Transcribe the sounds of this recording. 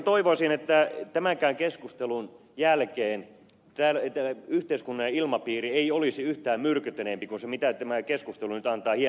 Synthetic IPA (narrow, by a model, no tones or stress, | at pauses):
t̪oiʋosinet̪ːæt̪æmæŋkæyŋkeskust̪elun | jælkeːn | t̪æːlt̪ːæyht̪eiskunːɑjɑilmɑpiːrieiolisiyht̪æːmmyrkyt̪enempikunsemit̪æt̪æmækeskust̪elunyt̪ɑnt̪ɑːhie